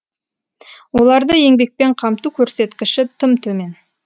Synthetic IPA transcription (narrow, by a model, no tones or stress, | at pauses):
wo̞lˠɑɾd̪əje̞ŋbe̞k̚pe̞ɴqʰɑmt̪ukʲʰɵɾse̞t̪kʲɪʃɪt̪ʰɪmt̪ʰɵme̞n